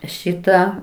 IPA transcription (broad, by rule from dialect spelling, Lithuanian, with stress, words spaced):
ˈʃʲɪtɑː